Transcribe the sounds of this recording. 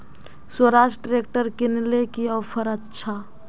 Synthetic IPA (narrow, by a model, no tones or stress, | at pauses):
soɾasɖɾekʈəɾkinlekiəpʰəɾətːt͡ʃʰa